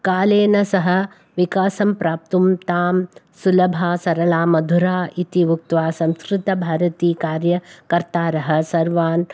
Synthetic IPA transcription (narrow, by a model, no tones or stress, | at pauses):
kaːleːnɐsɐɦɐ̆ | ʋikaːsɐmpɾaːp̚t̪umt̪aːm | sulɐbʱaːsɐɾɐlaːmɐd̪ʱuɾaːʔit̪iʋuk̚t̪ʋaːsɐ̃mskɾɪt̪ɐbʱaːɾɐt̪iːkaːɾjɐkɐɾt̪aːɾɐɦɐ̆sɐɾʋaːn